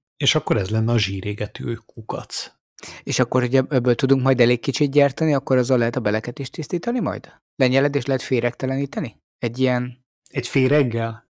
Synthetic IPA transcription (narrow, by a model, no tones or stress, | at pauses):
eːʃɒkːoɾɛzlɛnːɛɒʒiːɾeːɡɛt̪y̰økukɒ̰t̪s | eːʃɒkːo̞rhoɟɛɛbːøːlt̪ud̪uŋkmɒjd̪ɛleːkkːit͡ʃit̪̚ɟɛrt̪ɛniɒkːo̞ɾɒzːɒlɛɦɛt̪ɒbɛlɛkɛt̪eʃt̪ist̪iːt̪ɒnimɒ̰jd̪̥ | lɛɲɛlɛd̪eːʃlɛɦɛt̪feːɾɛkt̪ɛlɛniːt̪ɛni | ɛɟːijɛn | ɛcfeːɾɛɡːɛl